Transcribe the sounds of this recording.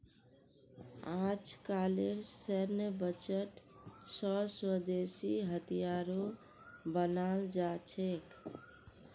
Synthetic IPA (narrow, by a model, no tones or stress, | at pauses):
ãt͡ʃkaleɾsəɾnebət͡ʃəʈsɔswəd̪esiɦət̪ijaɾo | bənald͡ʒat͡ʃʰek